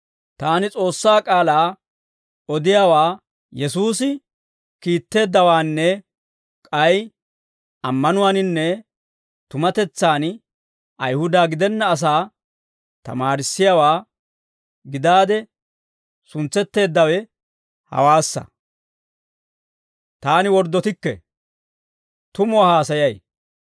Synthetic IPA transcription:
t̪aːnɪt͡sʼo̞ːsːaːkʼaːlaː | ɔd̪ɪjawaː | jɛsuːsɪ | kiːt̪ːe̞ːd̪ːɐwaːnːɛ | kʼɐj | ɐmːɐnʊwanɪnːɛ | t̪ʊmɐt̪ɛt͡sːaːn | ɐjhʊd̪aːɡɪd̪ɛnːɐːs̬aː | t̪ɐ̰maːɾɪsːɪjawaː | ɡɪd̪aːd̪ɛ | sʊnt͡sːɛt̪ːe̞ːd̪ːɐwɛ | hɐ̰waːsːɐ̰ | t̪aːnɪwɔɾd̪ːɔt̪ɪkːɛ̰ | t̪ʊmʊahaːsɐjɐj

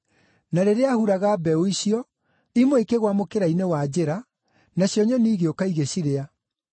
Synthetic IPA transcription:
naɾeɾeahuɾaɣaːbɛoiɕiɔ | imoekeɣwamokeɾainewad͡ʑeɾa | naɕjɔɲɔniːɣeokaiɣeɕiɾea

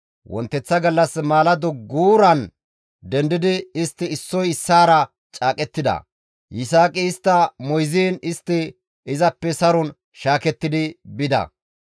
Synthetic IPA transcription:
wʔɔ̰nt̪ːɛt͡sːɐɡɐlːɐsmaːlɐd̪ɔɡuːɾɐn | d̪ɛnd̪ɪd̪ɪɪst̪ːɪɪsːɔjɪsːaːɾɐ | t͡ʃʼaːkʼɛt̪ːɪd̪ɐ̰ | jɪsaːkʼɪɪst̪ːɐmɔjziːnɪst̪ːɪ | ɪzɐpːɛsɐɾɔn | ʃaːkɛt̪ːɪd̪ɪbɪd̪ɐ̰

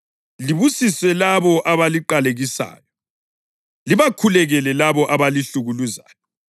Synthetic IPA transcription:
liβusiswɛlaβɔʔaβaliǃaleɣisa̰ːjɔ | liβakʰulɛɣɛlɛlaβɔʔaβaliɬuɣuluza̰ːjɔ

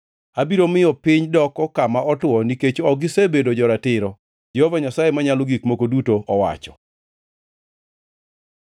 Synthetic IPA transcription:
abiɾomɪjɔpɪɲdɔkɔkamaɔtwɔniket͡ʃɔɡɪsebedod͡ʒɔɾatɪɾɔ | d͡ʒɛhovaɲasajemaɲalɔɡikmokodutoʔɔwa̰t͡ʃɔ̥

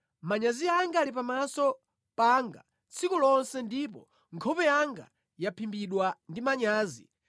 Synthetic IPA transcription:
maɲaziaŋɡaːlipamasɔ | paŋɡa | t͡sʰikulɔnsɛndip̬ɔ | ŋkʰɔpɛjaŋɡa̰ | japʰimbiɗwandimaɲaːzḭ

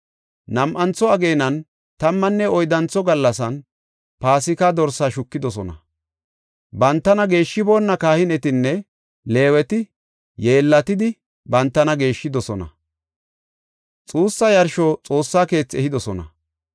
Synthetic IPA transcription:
nɐmʔɐnt͡sːɔɐɡe̞ːnɐn | t̪ɐmːɐnːɛɔjd̪ɐnt͡sːɔɡɐlːɐsɐn | paːsɪkɐd̪ɔɾsaːʃʊkːɪd̪ɔs̬ɔnɐ̰ | bɐnt̪ːɐnɐɡe̞ːʃːɪbo̞ːnːɐkaːhɪnɛt̪ɪnːɛ | le̞ːwɛt̪ɪ | jeːlːɐt̪ɪd̪ɪ | bɐnt̪ːɐnɐɡe̞ːʃːɪd̪ɔsɔnɐ̰ | t͡sʼuːsːɐjɐɾʃɔt͡sʼo̞ːsːaːke̞ːt͡sːɛhɪd̪ɔsɔnɐ̰

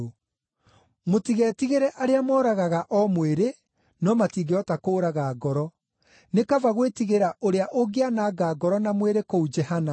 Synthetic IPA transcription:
motiɣɛːtiɣeɾɛʔaɾeamɔːɾaɣaɣaʔɔmweɾe | nɔmatiːɡeɔtakoːɾaɣaːɡɔɾɔ | nekavaɣwetiɣeɾaʔoɾeaʔoɡeanaːɡaːɡɔɾɔnamweɾekoud͡ʒɛhana

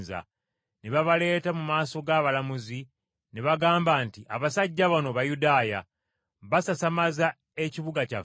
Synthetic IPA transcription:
za̰ | neβaβale̞ːtamumaːso̞ɡaːβalamuzi | neβaɡaːmbaːntiʔaβasaɟːaβanoβajudaːja | βasasamaza | eciβuɡaca̰

